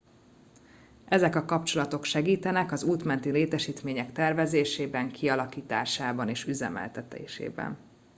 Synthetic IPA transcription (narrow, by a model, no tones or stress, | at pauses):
ʔɛzɛkɒkɒpt͡ʃo̞lɒt̪o̞kʃɛɡiːt̪ɛnɛkɒzuːt̪mɛnt̪ileːt̪ɛʃiːt̪meːɲɛkt̪ɛrvɛzeːʃeːbɛŋkʰiɒlɒkiːt̪aːʃaːbɒneːʃyzɛ̰mɛ̰lt̪ɛt̪ḛːʃḛːbɛ̰n